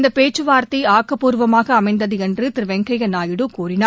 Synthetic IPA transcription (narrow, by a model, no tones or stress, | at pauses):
nd̪ɐpeːt͡ʃːɯʋaːɾt̪iaːkːɐpuːɾʋɐmaːɣɐːmɐɪnd̪ɐðɯɛndrɯt̪ɪɾɯʋɛŋkɐɣɐnaːjɪɽɯkuːɾɪnaː